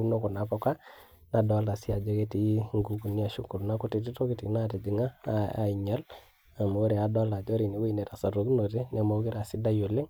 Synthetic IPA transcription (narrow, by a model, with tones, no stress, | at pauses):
u˦no˦kɔ˨na˨pɔ˦ka˦ | na˨dɔ˦la˨si˦a˨d͡ʒɔ˦ke˦ti˨˦ŋɡu˨ɡu˨ni˦a˨ʃu˦ku˨lna˦ku˦ti˨ti˦to˦ke˦ti˨˦na˦te˨di˨ŋa˦a˨i˨ɲa˦l | a˨ma˨o˦ɾe˨a˦dɔ˦la˨d͡ʒɔ˦ɾi˨ni˨wu˦i˨ne˨ta˨sa˨to˨ku˦no˨te˦nɛ˨mo˦ki˦ɾa˨sɪ˦da˦jo˨le˦ŋ